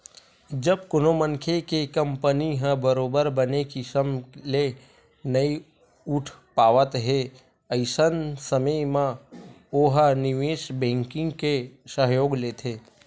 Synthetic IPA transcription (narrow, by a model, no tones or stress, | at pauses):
d͡ʒəbkonomənkʰekekə̃mpəniɦə̃bəɾoːbəɾbənekisəmle | nəi | ʊʈʰpaːʋət̪ɦe | əɪsənsəməjmã | oɦənɪʋeːʃbɛ̃ːŋkɪ̃ŋɡkesəɦjoːɡleːt̪ʰeː